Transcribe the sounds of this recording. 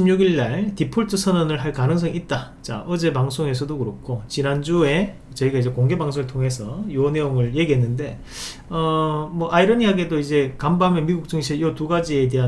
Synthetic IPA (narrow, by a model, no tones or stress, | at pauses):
imɲuɡiɭːaɭtipʰoɭtʰɯsʰʌnʌnɯɭɦaɭkanɯŋsʰʌŋit̚t͈a | t͡ɕa̰ʔʌd͡ʑe̞paŋsʰoŋe̞s̬ʰʌdokɯɾok͈ʰːot͡ɕinand͡ʑue̞ | t͡ɕʌiɡaid͡ʑe̞koŋɡe̞baŋsʰoŋɯɭtʰoŋe̞sʰʌjoʌne̞joŋɯɭje̞ɡiɦenːɯnde̞ | ʌmwʌʔaiɾʌniɦaɡe̞doid͡ʑe̞kambamenmiɡuk̚t͡ɕ͈ɯŋɕʰijotuɡad͡ʑie̞de̞ɦa